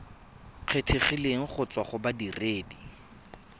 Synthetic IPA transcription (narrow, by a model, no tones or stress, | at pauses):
q͡χʰetʰiχileŋ̩χʊt͡swaχʊbadireːdi